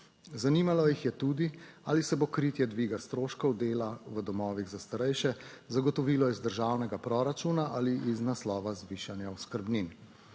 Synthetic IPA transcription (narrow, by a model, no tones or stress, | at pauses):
zanimalɔjixjɛt̪uːd̪iaːlisɛbokɾit̪jɛd̪ʋiːɡast̪ɾoːʃkɔwd̪eːlaʋəd̪ɔmɔːʋiɣzast̪aɾɛjʃɛzaɡɔt̪ɔʋiːlɔizd̪əɾʒaːwnɛɡapɾɔɾat͡ʃuːnaʔaliʔiznaslɔːʋazʋiʃanjaɔskəɾbnin